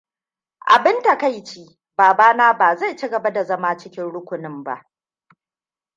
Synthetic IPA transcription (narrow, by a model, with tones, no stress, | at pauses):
ʔa̰˨bɪ˦nta˨ka˦jt͡ʃiː˦ | baː˨baː˦naː˦baː˨za˦˨jt͡ʃi˦ɡɐ˨ba˦da˨zɐ˦maː˦t͡ʃɪ˦kʲɪ˦nɽʊ˦kʷʊ˨nɪ˦mba̰˦ʔ